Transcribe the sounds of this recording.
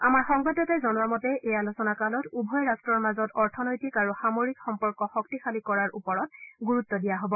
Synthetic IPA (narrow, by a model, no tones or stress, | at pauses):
amaɹxɔŋbatɔtɔzɔnɔwamɔtɛʔejalosɔnakalɔtubʱɔjɹastɹɔɹmazɔtɔɹtʰɔnɔjtikaɹuxamoɹikxɔmpɔɹkɔxɔktixalikɔɹaɹupɔɹɔt̚ɡuɹutːɔdijaɦobɔ